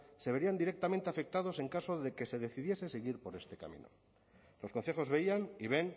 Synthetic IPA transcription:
se̞β̞e̞ɾiand̪iɾe̞k̚t̪ament̪e̞afe̞k̚t̪að̞o̞se̞ŋkaso̞ðe̞ke̞se̞ðe̞θiðje̞se̞seɣiɾpo̞ɾe̞st̪e̞ka̰mḭ̃no̞̰ | lo̞skonθe̞xo̞zβe̞ianiβe̞n

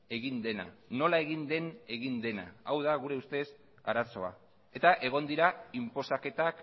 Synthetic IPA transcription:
e̞ɣind̪e̞na̰no̞lae̞ɣind̪e̞ne̞ɣind̪e̞na̰awðaɣuɾe̞ust̪e̞s | aɾaso̞a̰ | e̞t̪aʔe̞ɣ̞o̞nd̪iɾaimpo̞sake̞t̪ak

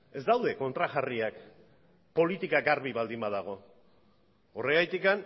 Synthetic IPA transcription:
e̞zd̪awðe̞ko̞nt̪ɾaʝariak | po̞lit̪ikaɡaɾβiβald̪imbað̞aɣ̞o̞ | ore̞ɣajt̪ikan

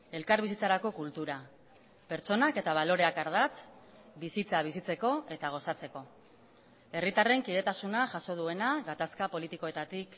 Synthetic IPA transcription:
e̞lkaɾβisit͡saɾako̞kult̪uɾa | pe̞ɾt͡ʃo̞nake̞t̪aβ̞alo̞ɾe̞akaɾð̞at͡s | bisit͡saβ̞isit͡se̞ko̞e̞t̪aɣ̞o̞sat͡se̞ko̞ | e̞rit̪are̞ŋkið̞e̞t̪asunaʝaso̞ð̞ue̞naɣat̪askapo̞lit̪iko̞e̞t̪at̪ik

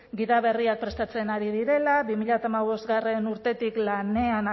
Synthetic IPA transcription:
ɡiðaβe̞riak̚pɾe̞st̪at͡se̞naɾiðiɾe̞laβimiʎat̪amaβ̞o̞zɡare̞nuɾt̪e̞t̪iklane̞an

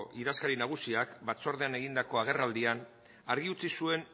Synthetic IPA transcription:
ʔiɾaskaɾinaɣ̞usiakbat͡so̞ɾð̞e̞ane̞ɣ̞ind̪ako̞aɣ̞e̞rald̪ian | aɾɣiut͡sisue̞n

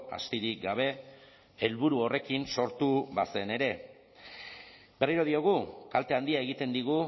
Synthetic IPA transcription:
a̰st̪iɾik̚ɡaβ̞e̞ | elβuɾuo̞re̞kinso̞ɾt̪uβase̞ne̞ɾe̞ | be̞riɾo̞ð̞io̞ɣ̞ukalt̪e̞and̪iae̞ɣit̪e̞nd̪iɣ̞u

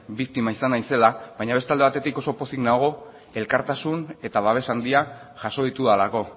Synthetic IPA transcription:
bik̚t̪imaisanaise̞laβajɲaβt̪eald̪eat̪e̞t̪iko̞so̞po̞siknaɣ̞o̞ | e̞lkaɾt̪asune̞t̪aβ̞aβe̞sand̪iaʝaso̞ðit̪uðalako̞

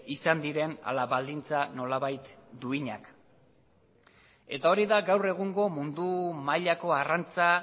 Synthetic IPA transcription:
isand̪iɾe̞na̰laβald̪int͡sano̞laβajt̪d̪uiɲa̰k | e̞t̪ao̞ɾiðaɡawre̞ɣuŋɡo̞mund̪umaʎako̞arant͡sa

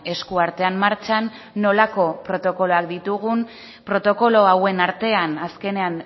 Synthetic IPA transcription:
e̞skuaɾt̪e̞ammaɾt͡ʃanː | o̞lako̞pɾo̞t̪o̞ko̞lo̞akd̪it̪uɣun | pɾo̞t̪o̞ko̞lo̞awe̞naɾt̪e̞anaske̞ne̞an

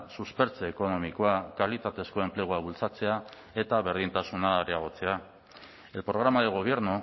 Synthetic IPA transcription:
suspe̞ɾt͡seːko̞no̞miko̞akalit̪at̪e̞sko̞e̞mple̞ɣuaβult͡sat͡se̞a | e̞t̪aβe̞ɾð̞int̪asunaaɾiaɣ̞o̞t͡se̞a | e̞lpɾo̞ɣ̞ɾamaðeɣ̞o̞β̞je̞ɾnu

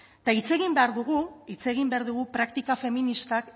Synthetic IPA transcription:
t̪ait͡se̞ɣimbe̞aɾðuɣuit͡se̞ɣ̞imbe̞aɾðuɣ̞upɾakt̪ikafe̞minist̪ak

